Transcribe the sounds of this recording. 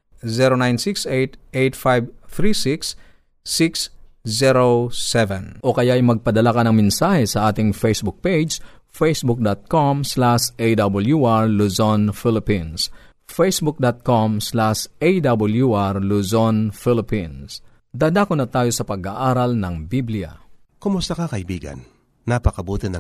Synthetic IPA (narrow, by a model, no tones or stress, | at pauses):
zɛɾonajnsiksejt̪ʔejt̪fajbθɾisiksː | iks | zɛɾosɛvɛ̃nʔokɐjaɐjmɐɡ̚pɐd̪ɐlakɐnɐŋmɛnsaːhɛsɐʔaːt̪ɪŋfejsbʊk̚ped͡ʒd͡ʒ | fejsbʊk̚d̪at̪̚komslaʃʔejd̪ɐbɐljuʔaɹluzonfɪlɪpins | fejsbʊk̚d̪at̪̚komslaʃejd̪ɐbɐljuʔaɹluzonfɪlɪpins | d̪ad̪aːkonɐt̪aːjo̞sɐpɐɡaʔaːɾɐlnɐŋbiblɪjɐ̰ | komʊst̪akakɐʔibiːɡɐ̰nː | apɐkɐbuːt̪ɪnɐ